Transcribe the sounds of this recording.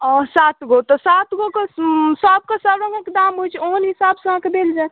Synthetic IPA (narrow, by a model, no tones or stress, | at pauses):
ɔsaːt̪ɡot̪ɔsat̪ɡokesəb̚kesəbɾə̃ŋɡəkd̪aːmɦut͡ʃʰonɦisaːbsəãkebeld͡ʒa